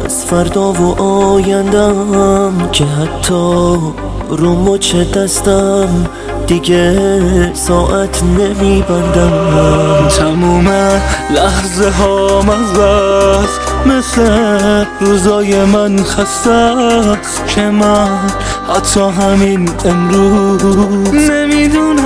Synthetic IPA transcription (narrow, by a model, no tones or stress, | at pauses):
a̰z̥fæɾd̪ɒːvoʔɒjænd̪æmkʰeɦat̪ʰːɒ | ɾumot͡ʃʰed̪æst̪am | d̪̥iɡe | sɒːʔæt̪ʰnemibænd̪æmt̪ʰamuːmelæhzeɦɔːmæzæs | mesleɾuzɒːjemænxast̪æ | kʰemæn | hat̪ʰːɒːɦæminemɾu | nemiːd̪un